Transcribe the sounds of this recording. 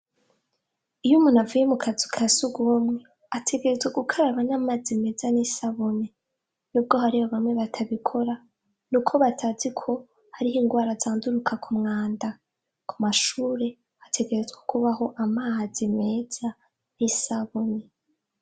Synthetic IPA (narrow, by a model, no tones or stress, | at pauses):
ijumunavujemukʰazikʰasuɡomŋe̞ | atʰe̞ɡe̞ɾe̞zɡweɡukʰaɾaβanaːmaːzime̞ːzanisaβone | nub̚ɡo̞ɦaɾihoβamŋe̞βatʰaβikʰo̞ɾa | nukʰo̞βatʰazikʰo̞ | haɾihiːŋɡwaːɾazaːnduɾukʰakʰumŋaːnda | kʰumaʃuːɾe̞ | atʰe̞ɡe̞ɾe̞zɡwakuβaɦo̞ʔamazime̞ːz̥a | nisaβone